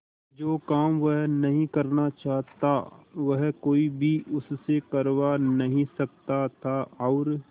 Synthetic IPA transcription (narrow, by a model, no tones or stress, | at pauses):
d͡ʒoːkaːmʋəɦnɐɦĩkɐɾnat͡ʃaːɦt̪aʋɐɦkoːibʱiʔʊssekɐɾwanɐɦĩsɐk̚t̪at̪ʰaɔːɾ